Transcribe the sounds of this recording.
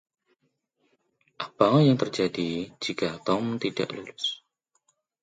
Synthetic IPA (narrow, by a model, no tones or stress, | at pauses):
ʔabaŋɔjaŋt̪ərd͡ʒadid͡ʒikat̪ɔmt̪ida̰ʔlulʊs